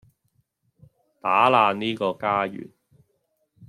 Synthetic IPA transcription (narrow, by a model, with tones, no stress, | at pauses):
t̪aː˨˥laː˧niː˥kɔː˧kaː˥jy̰ː˨˩n